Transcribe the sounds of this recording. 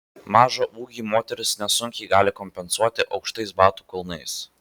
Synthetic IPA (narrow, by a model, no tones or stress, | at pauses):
mɑːʒoːʔuːɡʲiːmoːt̪ʲɛɾʲʊsnʲɛsʊŋʲkʲɛɪɡɑːlʲɪkɔmʲpʲɛnsuɔt̪ʲɪʔɒʊkʃt̪ɐɪsbɑːt̪uːkʊlˠnɐɪs